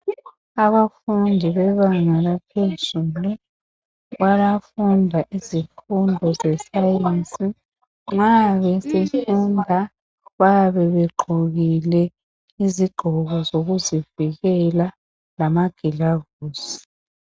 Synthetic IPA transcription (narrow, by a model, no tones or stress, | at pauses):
aβafundʱiβɛβaŋaɣapʰezulu | βalafundʱaʔizifundʱɔzɛsajent͡sʼi | ŋ͡ǁaβɛsefundʱa | βaβɛβɛɡ͡ǃʱuɣilɛ | iziɡ͡ǃʱɔɣɔzoɣuziviɣɛla | lamaɡ̥ʱilaɣ | uːsi̥